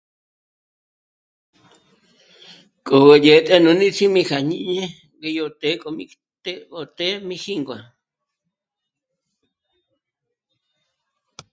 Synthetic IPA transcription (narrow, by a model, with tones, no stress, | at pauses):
kʼo˨ɣe˨je˨t̪ʼe˦nũ˧nĩ˦t͡sʰi˦mĩ˧xa˨ɲḭ̃˦ʔɲẽ˦ | ɡe˧jo˧t̪e˦kʼo˧mi˧ | t̪eo˧t̪e˦mĩ˧xi˦ŋɡwa˨